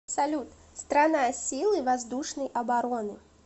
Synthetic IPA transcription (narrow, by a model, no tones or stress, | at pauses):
psalʲut̪ | st̪ɾanajɐsʲilˠɨvazd̪uʂnɐjʔɐbaɾɔnɨ